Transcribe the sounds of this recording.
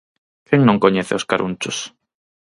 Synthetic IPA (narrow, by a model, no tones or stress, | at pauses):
kɛŋnõŋkoɲɛθeoskaɾʔunt͡ʃʊs